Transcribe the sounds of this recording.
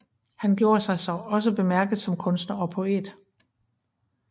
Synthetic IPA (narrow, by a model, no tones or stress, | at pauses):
hænɡ̥jo̝ːɐsɑ̈ɪsɒ̽ɒ̽s̬əb̥e̝mæɐɡ̥ð̩ˠsɒ̽mkʰɔ̽nsd̥nɐɒ̽pʰo̝e̝̰ːd̥